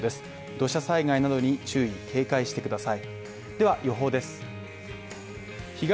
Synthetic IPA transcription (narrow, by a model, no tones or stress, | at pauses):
d̪e̞sɨ̥ | d̪o̞ɕasaiɡainad̪o̞ɲ̟it͡ɕɨːik̪ʰe̞ːkaiɕi̥t̪e̞kɯ̟d̪asai | d̪̥e̞βajo̞ɦo̞ːd̪e̞sɨ̥ | çiɡa